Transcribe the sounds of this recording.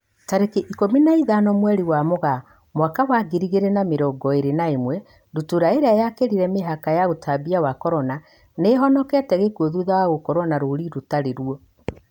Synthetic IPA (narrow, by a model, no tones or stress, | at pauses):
taɾekeʔikominaiðanɔmwɛɾiwamoɣa | mwakawaɡiɾiɣeɾenameɾɔːɡɔeɾenaemwɛ | dutuɾaeɾeajakeɾiɾɛmeɦakajaɣotʰabiawakɔɾɔna | neɦɔnɔkɛtɛɣekuɔðuðawaɣokɔɾɔnaɾoɾiɾotaɾeɾuɔ